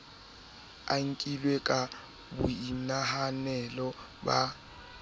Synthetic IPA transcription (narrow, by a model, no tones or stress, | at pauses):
aŋ̩kʼilwekʼa | bʊinaɦanɛlɔ | ba